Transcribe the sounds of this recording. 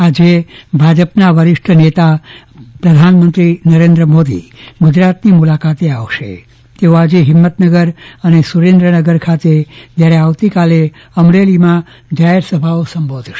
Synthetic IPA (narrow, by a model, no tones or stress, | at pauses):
ad͡ʒebʱad͡ʒəpnaʋəɾɪʂʈʰənet̪a | pɾəd̪ʱanmənt̪ɾinəɾẽnd̪ɾəmod̪ḭɡud͡ʒɾat̪nimulakat̪eaʋʃḛ | t̪eoad͡ʒeɦɪmːət̪nəɡəɾənesuɾẽnd̪ɾənəɡəɾkʰat̪ed͡ʒ̪jaɾeaʋt̪ikale | əmɾelimã | d͡ʒaɦeɾsəbʱaosəmbod̪ʱʃe̥